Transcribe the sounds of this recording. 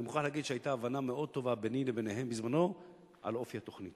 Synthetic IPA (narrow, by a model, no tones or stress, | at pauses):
emuχanlehaɡid̪ʃeajtaːvanameo̞d̪̚t̪o̞vabenilebe̞neɦe̞mbizmano̞ | ʔa̰lo̞fihat̪o̞χnit̪